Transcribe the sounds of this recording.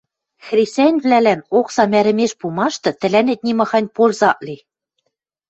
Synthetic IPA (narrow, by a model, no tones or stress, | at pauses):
xrʲisʲænʲβlælænoksɑmæɾɘ̆meʃpumɑʃt̪ɤ̆t̪ɘ̆lænet̪̚nʲimɑ̆xɑnʲpolzɑʔli